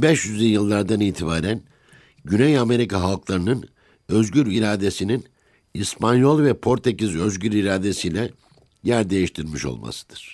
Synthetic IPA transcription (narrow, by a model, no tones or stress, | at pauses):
bɛʃjyzejɯlˠːaɾd̪aniːt̪ʰibaːɾæn | ɟynɛjame̞ɾikaɦalˠklˠaɾɯnɯn | øzɟyɾiɾaːd̪e̞sinin | ispʰanjo̞lˠvɛpʰo̞ɾt̪ʰecizøzɟyɾiɾaːd̪e̞sijlʲɛ | jæɾd̪e̞jiʃt̪ʰiɾmiʃo̰lˠma̰sɯ̥d̪̥ɯɾ̥